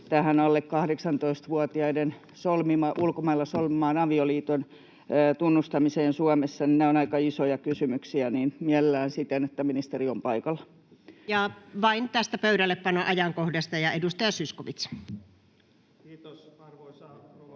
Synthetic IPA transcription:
t̪æhænɑlːekkɑhdeksɑnt̪oist̪ʋuɑt̪iɑiden | solmimɑʔulkomɑilːɑsolmimɑːnɑʋioliːt̪onː | t̪unːust̪ɑmiseːnsuɑmesːɑnineonɑikɑisojɑkysymyksiæniːnmielelːˑæːnsit̪enet̪ːæminist̪eriompɑikɑlːɑ | jɑʋɑint̪æst̪æpøyɾælːeppɑnoʔɑjɑŋkohdɑst̪ɑjɑedust̪ɑjɑsyskoʋit̪s

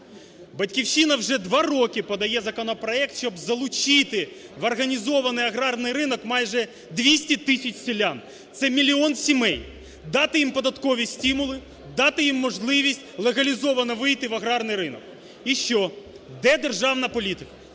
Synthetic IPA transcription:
bɐtʲkʲiwʃinɐwʒɛd̪ʋɑɾɔkʲɪpɔd̪ɐjɛzɐkɔnɔpɾɔɛk̚t̪ʃɔbzɐlˠʊt͡ʃɪt̪ɪʋɐrɣɐnʲizɔʋɐnɪjɐɣɾɑrnɪjɾɪnɔkmɑjʒɛ | d̪ʲʋʲisʲtʲit̪ɪsʲɐt͡ʃʲsʲilʲːan | t̪sɛmʲilʲiɔnsʲimɛj | d̪ɑt̪ɪjimpɔd̪ɐt̪kɔʋʲisʲtʲimʊlˠɪ | d̪ɑt̪ɪjimːɔʒlˠɪʋʲisʲtʲlˠeɣɐlʲizɔʋɐnɐʋɪjt̪ɪʋɐɣɾɑrnɪjɾɪnɔk | iʃt͡ʃɔ | d̪ɛd̪erʒɑwnɐpɔlʲit̪ɪkɐ̥

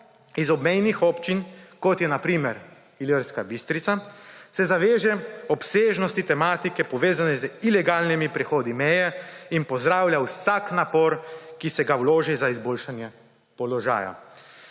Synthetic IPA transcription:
izɔbmɛjnixɔːpt͡ʃinkɔt̪jɛnapɾiːmɛɾ | iləɾskabist̪ɾit̪asɛzaʋeːʒɛɔpseːʒnɔst̪it̪ɛmaːt̪ikɛpɔʋeːzanɛzilɛɡaːlnimipɾɛxoːd̪imɛjɛinpɔzd̪ɾaːwlʲjawsaknapɔɾkisɛɡawloːʒɛzaizboːlʃanjɛ | pɔlɔʒa̰ːja̰

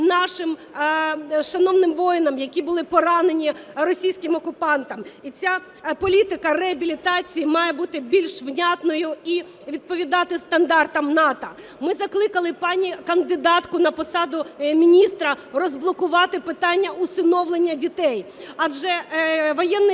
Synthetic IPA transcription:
nɑʃɪm | ʃɐnɔwnɪmʋɔjnɐmjɐkʲibʊlˠɪpɔɾɑne̞nʲirɔsʲijsʲkɪmɔkʊpɑnt̪ɐmit͡sʲa | pɔlʲit̪ɪkɐreɐbʲilʲit̪ɑt͡sʲijimɑjebut̪ɪbʲilʲʃʋnʲat̪nɔjʊi | ʋʲid̪̚pɔʋʲid̪ɑt̪ɪst̪ɐnd̪ɑrt̪ɐmnɑt̪ɐ | mɪzɐklˠɪkɐlˠɪpɑnʲikɐnd̪ɪd̪ɑt̪kʊnɐpɔsɑd̪ʊmʲinʲist̪ɾɐrɔzblˠɔkʊʋɑt̪ɪpɪt̪ɑnʲːɐʊsɪnɔwlenʲːɐdʲit̪ɛjɐd͡ʒɛʋɔjɛnːɪ

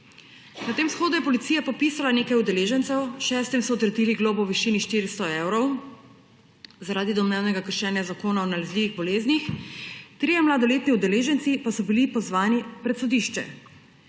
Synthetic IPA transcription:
nat̪eːmsxoːd̪ujɛpɔlit̪iːjapɔpisalaneːkajud̪ɛleːʒɛnt̪sɛwʃɛːst̪imsɔɔt̪ɾɛd̪iliɡloːbɔwʋiʃiːniʃt̪iɾist̪ɔewɾɔw | zaɾaːd̪id̪ɔmnɛwnɛɡakəɾʃɛːnjazakoːnaɔnalɛzliʋiɣbɔleːznixt̪ɾiːjɛmlad̪ɔleːt̪niud̪ɛleːʒɛnt̪sipasɔbilipɔzʋaːnipɾɛt̪sɔd̪iʃt͡ʃɛ̰

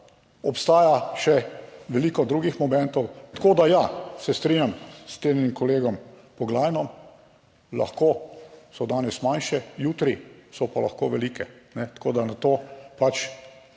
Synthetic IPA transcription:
ɔpst̪aːjaʃɛʋɛliːkɔd̪ɾuːɡixmɔmɛ̃nt̪ɔwt̪koːd̪ajasɛst̪ɾinjamst̪eːnnimkɔleːɡɔmpɔɡlaːjnɔm | la̰xkoːsɔd̪aːnɛsmanʃɛjuːt̪ɾisɔpalɐxkoːʋɛliːkɛnɛt̪koːd̪anat̪oːpat͡ʃ

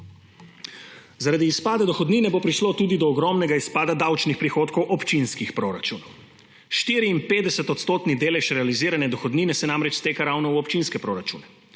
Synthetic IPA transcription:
zaɾad̪iːspaːd̪ad̪ɔxɔd̪niːnɛbopɾiʃlot̪uːd̪id̪ɔːɡɾɔmnɛɡaispaːd̪ad̪awt͡ʃnixpɾixoːt̪kɔwʔɔpt͡ʃinskixpɾoɾat͡ʃuːnɔw | ʃt̪iːɾiːnpeːd̪ɛsɛt̪ɔt̪st̪oːt̪nid̪eːlɛʃɾɛaliziːɾanɛd̪ɔxɔd̪ninɛsɛnamɾɛt͡ʃst̪eːkaɾawnɔwɔpt͡ʃinskɛpɾoːɾat͡ʃṵːnɛ

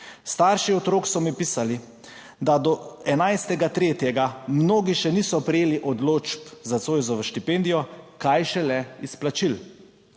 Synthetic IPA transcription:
st̪aɾʃiɔt̪ɾoːksɔmipiːsali | d̪ad̪ɔɛnajst̪ɛɡat̪ɾeːt̪jɛɡamnoːɡiʃɛniːsɔpɾɛjeːliʔɔd̪loːt͡ʃpzat̪soːjzɔʋəʃt̪ipend̪ijɔkajʃɛlɛisplat͡ʃil

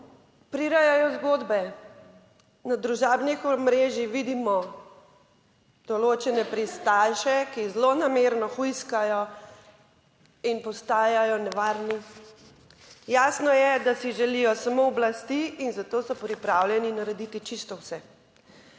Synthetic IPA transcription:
pɾiɾajajɔzɡod̪bɛ | nad̪ɾuʒaːbnixɔmɾeʒixʋid̪imɔ | d̪̥ɔloːt͡ʃɛnɛpɾist̪alʃɛkizlonameɾnɔxijskajɔ | inpɔst̪aːjajɔnɛʋaːɾni | jaːsnɔjɛd̪asiʒɛlijɔsamoɔblast̪iinzat̪oːsɔpɾipɾawljɛninaɾɛd̪it̪it͡ʃist̪ɔwsɛ

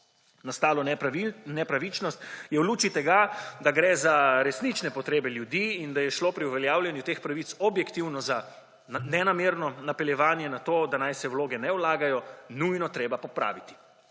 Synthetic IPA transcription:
nast̪aːlɔnɛpɾaʋit͡ʃnɔst̪jɛwluːt͡ʃit̪ɛɡad̪aɡɾɛːzaɾɛsnit͡ʃnɛpɔt̪ɾeːbɛljud̪iːnd̪ajɛʃlopɾiuʋɛljaːwljɛnjut̪expɾaʋit̪sɔbjɛkt̪iwnɔza | nɛnameːɾnɔnapɛljɛʋaːnjɛnat̪oːd̪anajsɛwloːɡɛnɛwlaːɡajɔnujnɔt̪ɾeːbapɔpɾa̰ːʋit̪i̥

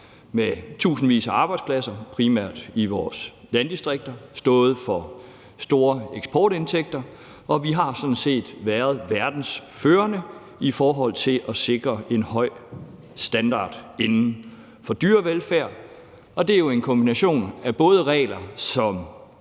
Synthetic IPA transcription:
met͡sʰṵːsn̩ʋḭːsəɑ̈ːb̥ɑ̈ɪd̥spʰlæsɐpʰʁimæɐ̰d̥iʋɒːs | lænd̥isd̥ʁeɡ̥̚d̥ɐsd̥ɔ̽ːð̞̩ˠfɒ̽ | sd̥o̝ːɐeɡ̥sb̥ɒːɾ̥e̝nt͡sʰeɡ̥̚d̥ɐ | ɒ̽ʋiɦɑ̈sɒ̽d̥n̩se̝̰ːd̥ʋæɐð̞̩ˠʋæɐd̥n̩sføːɐnə | ifɒːɦɒ̽l̰t͡sʰe̝lʔɒse̝ɡ̥ʁɐʔe̝nhɒ̽ɪ̰ | sd̥ænd̥ɑ̰̈ːd̥enn̩ | fɒ̽d̥yːɐʋelfæɐ̰ | ɒ̽d̥e̝æjo̝e̝nkʰɒ̽mb̥inæɕo̝̰ːnæb̥ɔ̽ːð̞ˠəʁɛ̰ːlɐsɒ̽m

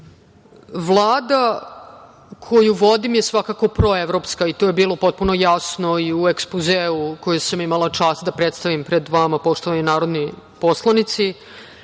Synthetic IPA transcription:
ʋlˠaːd̪a | kʰojuʋo̞d̪imjesʋakako̞pɾo̞eʋɾo̞pskait̪oːjebiːlo̞po̞t̪̚puno̞jasno̞iuekspuzeukojesamimalˠat͡ʂaːst̪d̪apɾet̪st̪aʋimpɾe̞d̪ʋamapo̞ʂt̪o̞ʋaɲunaːɾo̞d̪ni | po̞slˠanit̪si

